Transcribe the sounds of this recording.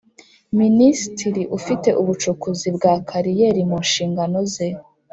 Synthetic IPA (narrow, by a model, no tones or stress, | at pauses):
ministiɾiʔufite̞ʔuβut͡ʃukuzibɡaːkʰaɾijeɾimuːnʃiːŋɡano̞ze